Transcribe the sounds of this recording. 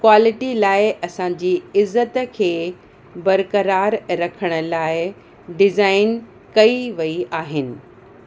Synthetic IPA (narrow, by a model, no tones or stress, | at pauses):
kwaːlɪʈilaːɪʔɐsãɲd͡ʑiːɪzːət̪kʰeː | bɐɾkəɾaːɾɾɐkʰəɽ̃ə̆laːɪ | ɖɪzaːɪn | kɐiʋɐiaːɦɪnɪ̆